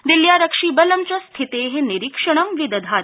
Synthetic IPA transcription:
d̪iljaɾəkʂiːbɐləmt͡ɕɐst̪ʰit̪eːɦeniɾikʂəɳ̃ɐmʋid̪əd̪ʱaːt̪

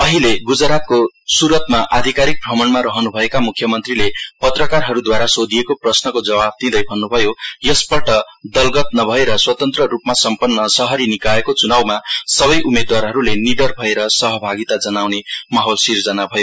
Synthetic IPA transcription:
ʌɦileɡud͡zɾat̪̚kosuɾʌt̪maʔad̪ʱikaɾik̚bʱrʌmʌnmaɾʌɦʌnubʱʌekamukʰjʌmʌnt̪rilepʌt̪rʌkarɦʌɾud̪waɾasod̪ʱijekoprʌsnʌkod͡zʌbab̚d̪ĩd̪ʌjbʱʌnːubʱʌjojʌspʌʈʌd̪ʌlɡʌt̪̚nʌbʱʌeɾʌswʌt̪ʌnt̪rʌrupmasʌmpʌnːʌsʌɦʌɾinikaekot͡sunawmasʌbʌjʔumed̪waɾaɦʌɾuleniɖʌrbʱʌeɾʌsʌɦʌbʱaɡit̪ad͡zʌnawnemʌɦolsird͡zʌnabʱʌjo

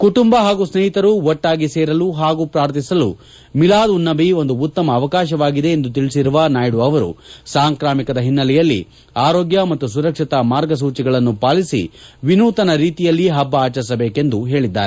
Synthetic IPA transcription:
kuʈumbɐɦaːɡusneɦit̪ɐɾuʋɔʈːaːɡiseːɾɐluɦaːɡupɾaːɾt̪isɐlu | milaːd̪unːɐbʱio̞nd̪uːt̪ːɐmɐːʋɐkaːʃ̬ɐʋaːɡid̪e̞ːnd̪ut̪̬iɭisiɾuʋɐnaːjɽuɐʋɐɾṵsaːŋkɾaːmikɐd̪ɐɦinːɐlɛjɐlːḭ | aːɾoːɡjɐmɐt̪ːusuɾɐkʂit̪ɐmaːɾɡɐs̬uːt͡ʃiɡɐɭɐnːupaːlisḭʋinuːt̪ɐnɐɾiːt̪ijɐlːiɦɐbːɐaːt͡ʃɐɾs̬ɐbe̞ːke̞nd̪uɦe̞ːɭid̪ːaːɾe

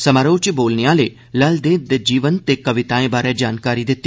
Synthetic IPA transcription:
səmaːɾoːt͡ʃiboːlnjaːle | lald̪eːd̪əd͡ʒiːʋənt̪ekəʋɪt̪aːẽbʱaːɾed͡ʒaːnkaːɾid̪ɪt̪ːi

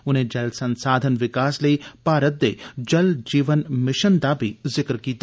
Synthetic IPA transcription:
ʊnɦẽd͡ʒɐlsɐ̃nsaːd̪ʱənʋɪkaːsleipaːɾət̪̚d̪ed͡ʒɐld͡ʒiːʋənmɪʃənd̪abʱizɪkɾkiːt̪a

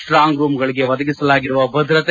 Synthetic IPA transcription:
ʈɾaːŋɡɾuːmɡɐɭiɡe̞ʋɐd̪ɐɡisɐlaːɡiɾuʋɐbʱɐd̪ɾɐt̪

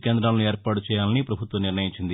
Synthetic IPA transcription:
keːnd̪ɾaːlɐnuɛːɾpaːʈut͡ʃɛːjaːlɐnipɾɐbʱut̪ʋɐniɾnɐjiɲt͡ʃind̪i

